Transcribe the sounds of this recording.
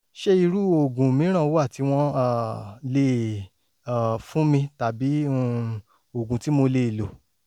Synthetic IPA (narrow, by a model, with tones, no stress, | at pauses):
ʃe˦i˧ɾu˦o˨ɡũ˨mĩ˨˦ɾ̃ã˦˨˦wa˦˨ti˨˦w̃ɔ̃˦a˦˨le˦ | a˨fũ˦mĩ˧ta˨bĩ˨˦˧ | o˨ɡũ˨ti˨˦mo˧le˧˨lo˨